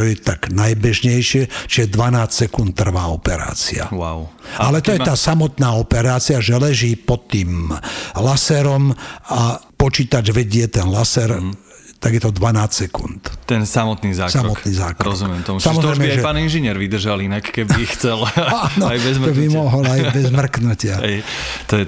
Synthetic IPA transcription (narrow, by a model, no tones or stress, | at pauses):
ɔjɛt̪aɡ̥najbɛʒɲɛjʃɪɛt͡ʃiʒɛd̪ʋanaːssɛkunt̪̚ːr̩ʋaːɔpɛɾa̰ːt͡sḭa̰wa̰walɛt̪ɔjɛaːsamɔt̪naːɔpɛɾaːt͡sijaʒɛlɛʒiːpɔt̪ːiːmlasɛɾɔmapɔt͡ʃiːt̪ad͡ʒʋɛɟɪɛt̪ɛnlasɛɾ | t̪aɡjɛt̪ɔd̪ʋanaːssɛkṵnt̪t̪ɛnsamɔt̪niːzaːsaɾmɔt̪niːzaːkɾɔ̰zumɪjɛmt̪ɔmusamɔzɾɛːmɛiaʒɛpaːninʒiɲɪɛɾʋid̪rʒalinakkɛbixt͡sɛlanɔajbɛzmkɔbimɔɦɔlajbɛzmr̩knucɪaɛjt̪ɔjɛ